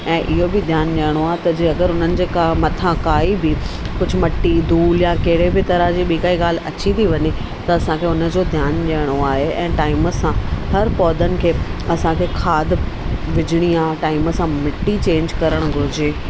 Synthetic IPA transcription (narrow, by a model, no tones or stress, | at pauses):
ɛ̃ːʔɪɦobɪd̪ʱjaːnɗijəɽ̃oaːɦet̪ɐd͡ʑiːɐɡəɾɦʊn̤ənɪ̆d͡ʑeːkamɐt̪ʰãkaːibi | kʊd͡ʑʱʊ̆mɐʈːid̪ʱuːljãkɐɦɪɽebɪt̪ɐɾəɦd͡ʑiːɓiːkaːiɠaːl̤ʔɐt͡ɕit̪ʰiʋɐɲe | t̪ɐɐsãkʰeʊnə̆d͡ʑod̪ʱjaːnɗijəɽ̃oaːɦeʔɛ̃ːʈaːɪmə̆sãhɐɾpɔːd̪ənɪ̆kʰeːɐsãkʰekʰaːd̪ʋɪd͡ʑɪɽ̃iãːʈaːɪmə̆sãmɪʈːit͡ɕẽːɲd͡ʑkɐɾəɽ̃ʊɡʱʊɾɪd͡ʑeː